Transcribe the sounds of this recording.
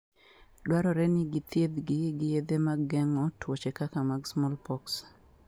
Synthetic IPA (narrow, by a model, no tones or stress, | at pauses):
dwaɾɔɾɛnɪɡɪt̪jed̪ɡɪɡɪjed̪emaɡɛŋɔtwot͡ʃekakamaɡsmɔlpɔks